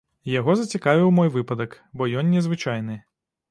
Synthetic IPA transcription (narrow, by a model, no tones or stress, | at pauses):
jaɣɔzɐt͡sʲikavʲiwmɔjʋɨpɐd̪ɐk | bɔjɔnːʲɛzʋɨt͡ʃajnɨ